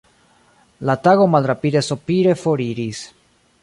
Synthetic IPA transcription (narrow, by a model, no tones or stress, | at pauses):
lataɡo̞malɾapid̪e̞sopiɾe̞fo̞ɾiɾis